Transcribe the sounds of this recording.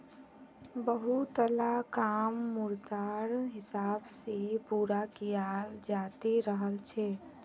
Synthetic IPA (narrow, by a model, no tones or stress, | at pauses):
bəɦut̪əlakamːuɾt̪aɾɦɪsaːbsepuɾakijald͡ʒat̪eɾəɦəlt͡ʃʰɛ